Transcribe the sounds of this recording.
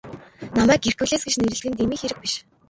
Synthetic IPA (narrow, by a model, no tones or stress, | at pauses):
namæːk̚er̥kuːɮeːsɡet͡ɕneɾɘ̆ɮɡɘ̆nt̪̬emiːxeɾɘ̆k̚piʃ